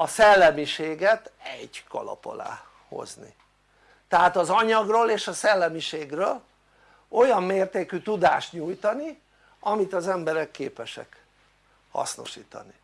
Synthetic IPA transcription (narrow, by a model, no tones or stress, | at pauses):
ɒsɛlːɛmiʃeːɡɛt̪ɛɟkɒ̰lɒ̰po̞̰la̰ː | ho̰znḭ | t̪ɛɦaːt̪ɒzɒɲɒɡroːleːʃɒsɛlːɛmiʃeːɡrøːl | o̞jɒmːeːrt̪eːkyt̪ud̪aːʃt̪ɲuːjt̪ɒni | ɒmit̪ɒzɛmbɛɾɛkːeːpɛʃɛ̰k | hɒ̰sno̞̰ʃiːt̪ɒ̰ni